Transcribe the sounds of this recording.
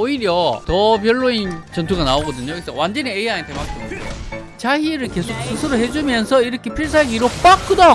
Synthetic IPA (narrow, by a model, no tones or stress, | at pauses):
oiɾjʌtʌp̬jʌɭːoint͡ɕʌntʰuɡanaoɡʌdɯɲokɡesʰʌwand͡ʑʌneeeanintemak̚t͈ʰɯnindḛ | t͡ɕaiɾɯɭke̞sʰok̚sʰɯsʰɯɾoɦe̞d͡ʑumjʌnsʰʌiɾʌkʰe̞pʰiɭs̬ʰaaɡiɾop͈ak͈ɯda